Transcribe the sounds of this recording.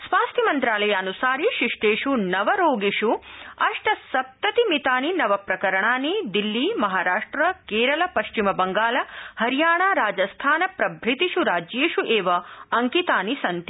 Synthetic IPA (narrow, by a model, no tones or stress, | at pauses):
sʋaːst̪ʰjimɐnt̪ɾaːlɐjɐːnusaːɾiʃiʂʈeːʂunɐʋɐɾoːɡiʂuɐʂʈɐsɐp̚t̪ɐt̪imit̪aːninɐʋɐpɾɐkɐɾɐɳaːnid̪ilːimɐɦaːɾaːʂʈɾɐkeːɾɐlɐpɐʃt͡ʃimɐbɐŋɡaːlɐhɐɾjaːɳaːɾaːd͡ʒɐst̪ʰaːnɐpɾɐbʱɾit̪iʃuɾaːd͡ʒjeːʂuʔeːʋɐɐŋkit̪aːnisɐnt̪i